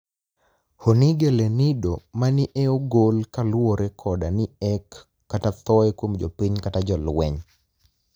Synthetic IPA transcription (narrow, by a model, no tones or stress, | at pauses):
honiɡelenidomanɪʔɛoɡolkalwoɾekʰɔdanɪɛkː | atat̪ɔɛkwomd͡ʒo̰piɲkatad͡ʒɔlwɛɲ